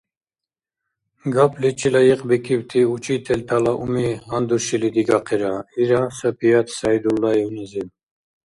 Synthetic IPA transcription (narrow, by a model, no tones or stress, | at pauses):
ɡapʰlit͡ʃʰilajiqʼbikʰibt̪ʰiut͡ʃʰit̪ʰɛlt̪ʰalaʔumiɦand̪uʃilid̪iɡaqʰɛɾaiɾasəpʰiat̪ʰsajd̪ulːaiwnizim